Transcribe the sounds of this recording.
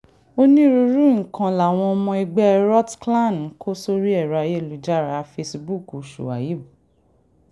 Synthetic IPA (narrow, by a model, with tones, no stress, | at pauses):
o˦nĩ˦ɾu˧ɾu˦ŋ̩̃˨kã˨la˨w̃ɔ̃˧ɔ˧mɔ̃˧i˧ɡ͡bɛ˦ɾɔ˦tkla˦˨n˨˦kʰo˦so˦ɾi˦ɛ˦˨ɾa˨˧je˦˨lu˨d͡ʒa˦˨ɾa˨˧fe˧sbu˦˨ko˨ʃṵ˨a̰˨ji˨˦bu˨